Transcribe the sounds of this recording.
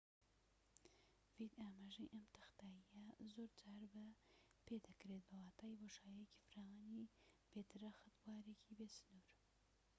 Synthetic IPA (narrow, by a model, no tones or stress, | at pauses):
vid̪aːmaːʒɐjʔɐmt̪ɨ̥xt̪aːijɐzoɾd͡ʒaːɾbɐpeːd̪ɐkɾet̪̚bɐwaːt̪ʰaːiboʃaːjjeci̥fɾaːwanib̥eːt̪ɨɾɐxɨt̪waːɾecʰibeːsɨ̥nuːɾ